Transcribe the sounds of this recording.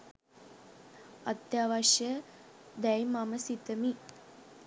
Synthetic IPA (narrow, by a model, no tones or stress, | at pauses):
at̪jaːʋaʃjə | d̪ɛjmaməsit̪əmi